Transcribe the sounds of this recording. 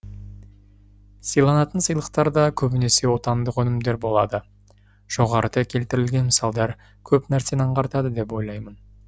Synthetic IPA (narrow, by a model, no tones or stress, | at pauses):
səjlˠɑnɑt̪ənsəjlˠəqt̪ɑɾd̪ɑkʲʰɵbɪne̞se̞wo̞t̪ɑnd̪əqɵnɪmd̪e̞ɾbo̞lˠɑd̪ə | ʒ̥o̞ʁɑɾəd̪ɑkʲʰe̞lt̪ɪɾɪlɡʲe̞nməsɑlˠd̪ɑɾ | kʲʰɵpnæɾse̞nɑɴqɑɾt̪ɑd̪əd̪e̞p̬wo̞jlˠɑjmən